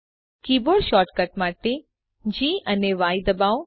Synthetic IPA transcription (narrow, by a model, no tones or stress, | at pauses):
kiːboːɽʃɔːɾʈkəʈ̚maːʈe | d͡ʑiːɐneʋaːid̪ɐbaːw